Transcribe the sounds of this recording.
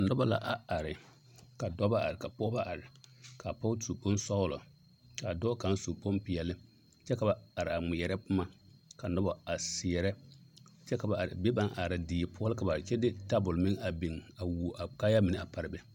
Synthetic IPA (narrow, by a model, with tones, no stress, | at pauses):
ka˨nɔ˦ba˦la̰˦ʔa˨a˨ɾɪ˨ | ka˨dɔ˦ba˦ʔa̰˨ɾɪ˨ka˨pɔ˦ba˦ʔa˨ɾɪ˨ka˨pɔ˦tʰu˨po˦n˦sɔ˦ʊ˦lɔ̰˨ | ka˨dɔ˦ka˨˦nsu˨po˦mpɪ˨ɛ˨lɪ˦ | t͡ʃɛ˦ka˨ba˨a˨ɾɪ˨a˨ŋ͡mɪ˨jɛ˨ɾɛ˦pʊ˦ma˦ka˨nɔ˦ba˦a˨sɪ˨ɛ˨ɾɛ˦t͡ʃɛ˦ka˨ba˨a˨ɾɪ̰˨be˦ba˦nʔa˨ɾa˨diː˨˦pʰʊ˦ɔ˦lɪ˦ka˨ba˨t͡ʃɛ˦dɪ˦ta˦bʊ˨lmɪ˦ŋa˨bi˨ŋa˨wu˨a˨ka˦ja˦mɪ˨nɪ˦˨a˨pa˨ɾɪ˨bɛ˦